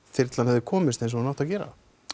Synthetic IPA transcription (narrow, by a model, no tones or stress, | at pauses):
fɪɾt̪lanhɛvðɪkʰɔːmɪst̪ens̬ɔmnawht̪awcɛːɾa̰